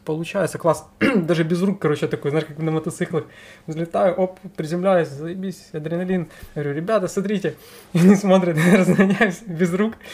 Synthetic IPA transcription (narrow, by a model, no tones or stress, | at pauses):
pəlˠʊt͡ɕæjɪt̪səklˠɑsd̪aʐɨbʲɪzrukːɐɾot͡ɕɪət̪ɐkojzaʂkaknəmət̪ɐt̪sɨklˠɨxzlʲɪt̪ajʊʔoppːɾʲɪzʲɪmlʲæjʊsʲzɐɪbʲisʲjɐd̪ɾʲɪnɐlʲinɡəʋɾʲuɾʲɪbʲat̪əsmɐt̪ɾʲitʲɪ | ɐnʲismo̞t̪ɾʲɪt̪rəzɡ̪ɐnʲæjʊsʲbʲɪzruk